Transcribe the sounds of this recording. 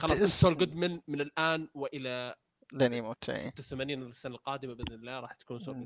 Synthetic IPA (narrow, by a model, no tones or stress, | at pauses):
xɑlːɑsˤɪnsoːlɡʊd̪mɪnmɪnɪlʔaːnwɪʔɪla | lanimot̪ːa̰sɪt̪ːawθamaːniːnɪlɪsːanalqɑːd̪ɪmabɪd̪nɪlːaːɾˤɑːħt̪ḁkuːnsoːllɡʊ